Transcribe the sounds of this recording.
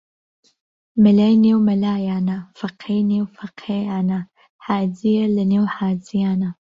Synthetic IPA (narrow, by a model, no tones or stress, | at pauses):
mɐlaːjneːwmɐlaːjaːnafɐqʰejneːwfɐqʰejaːna | ħaːzijalɐneːwħaːzijaːna